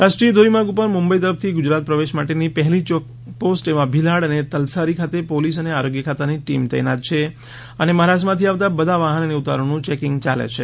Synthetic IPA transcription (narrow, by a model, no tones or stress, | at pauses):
ɾaʃʈɾijəd̪ʱoɾimãɡupəɾmʊmbəit̪əɾəfʰt̪ʰiɡʊd͡ʒɾat̪̚pɾəʋeʃmaʈenipəɦɛlit͡ʃ | posʈeʋãbʱilaɽənet̪əlsaɾikʰat̪epolis̬əneaɾoɡjəkʰat̪aniʈimt̪ɛ̰jnat̪̚t͡ʃʰe | əneməɦaɾaʃmãt̪ʰiaʋt̪abəd̪ʱaʋaɦənəneʊt̪a̰ɾõnũt͡ʃekɪ̃ŋɡt͡ʃalḛt͡ʃʰḛ